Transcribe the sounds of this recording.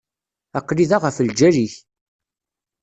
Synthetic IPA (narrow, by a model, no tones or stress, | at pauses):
æqːliðaʁəfəld͡ʒæɾiç